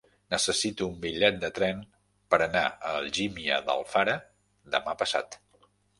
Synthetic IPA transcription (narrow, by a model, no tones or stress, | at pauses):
nəsəsit̪uːmbiʎɛt̪̚d̪ət̪ɾɛn | pəɾəna̰əlʒimiə̰ðə̰lˠfaɾə | d̪əmapəsa̰t̪